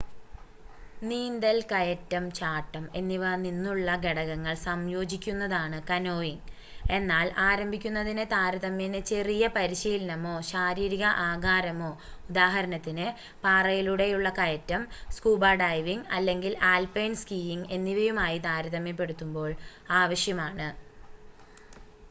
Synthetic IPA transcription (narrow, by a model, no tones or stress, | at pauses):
niːnd̪ɐlkɐjɐtːɐmt͡ɕaːʈːɐme̞nːiʋɐninːuɭːɐɡeɽɐɣɐŋːɐɭsɐmjo̞ːd͡ʑikʲːunːɐðaːɳɨkɐno̞ːjiŋ | e̞nːaːlaːɾɐmbʱikʲːunːɐðinɨt̪aːɾɐðɐmjɐnɨt͡ɕe̞rijɐpɐɾiɕiːlɐnɐmo̞ːɕaːɾiːɾiɣɐʔaːɡaːɾɐmo̞ː | ud̪aːɦɐɾɐnɐt̪ːinɨ | paːrɐjiluɽe̞juɭːɐkɐjɐtːɐmskuːbaːɖɐjʋiŋɡɐlːe̞ŋɡilaːlpejnskiːiŋɡe̞nːiʋɐjumaːjit̪aːɾɐðɐmːjɐp̬ːe̞ɽut̪ːumbo̞ːɭ | aːʋɐɕjɐmaːɳɨ